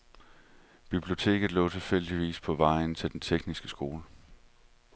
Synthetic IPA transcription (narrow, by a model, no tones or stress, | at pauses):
b̥ib̥lio̝t͡sʰe̝̰ːɡ̥ð̩ˠlɔ̰̽ːt͡sʰe̝lfel̰d̥iʋḭːspʰɒ̽ʋɑ̈ɪ̰n̩t͡sʰe̝ld̥ent͡sʰeɡ̥nisɡ̥əsɡ̥o̝ːlə